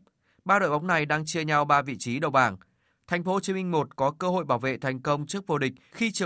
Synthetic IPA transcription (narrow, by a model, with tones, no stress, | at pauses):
ɓaː˧ɗo̰˧˨jɓa˨˦wŋ͡mna˨˩jɗaː˧ŋt͡ɕɨ˧əɲa˧wɓaː˧vḭ˧˨t͡ɕi˨˦ɗə̰˧˨wɓaː˧˩ŋ | t̪ʰɛ˨˩jŋ̟fo˨˦t͡ɕi˨˦mï˧ŋ̟mo˨˩t̚kɔ˨˦kəː˧ɦo̰˧˨jɓaː˧˩wvḛ˧˨t̪ʰɛ˨˩jŋ̟kə˧wŋ͡mt͡ɕɨ˦˥ək̚vo˧˩ɗï˨˩k̟̚xi˧t͡ɕɨ˨˩